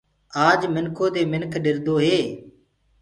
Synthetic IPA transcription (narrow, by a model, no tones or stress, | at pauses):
aːd͡ʒmɪnkʰoːd̪eːmɪnkʰɗɪɾd̪oːɦeː